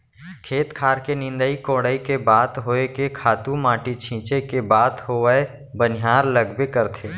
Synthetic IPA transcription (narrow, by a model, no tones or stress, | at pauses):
kʰeːt̪kʰaːɾkenɪ̃nd̪əikõːɽəikebaːt̪ɦoːekekʰaːt̪ũmãːʈit͡ʃʰĩːt͡ʃekebaːt̪hoːwəe | bənɪɦaːɾləɡbekəɾt̪ʰeː